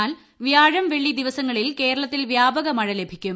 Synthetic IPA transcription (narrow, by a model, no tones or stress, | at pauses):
aːl | ʋjaːɻɐmʋe̞ɭːid̪iʋɐsɐŋːɐɭilke̞ːɾɐɭɐt̪ːilʋjaːbɐɣɐmɐɻɐle̞bʱikʲːum